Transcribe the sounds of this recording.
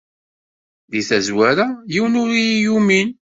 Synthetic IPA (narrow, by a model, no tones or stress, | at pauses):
ðiθæzwaɾajiwnʊɾijumin